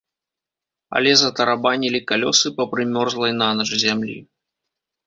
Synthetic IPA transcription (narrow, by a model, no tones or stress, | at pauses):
ɐ̰lʲɛzɐt̪ɐɾabanʲilʲikalʲɔsɨpɐpɾɨmʲɔrzlˠɐjnanɐʐzʲamlʲḭ